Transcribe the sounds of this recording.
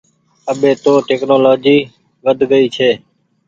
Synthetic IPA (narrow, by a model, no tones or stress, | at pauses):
əɓeːt̪oːʈeːknoːloːd͡ʒiː | ʋəd̪ʱɡəiːt͡ʃʰeː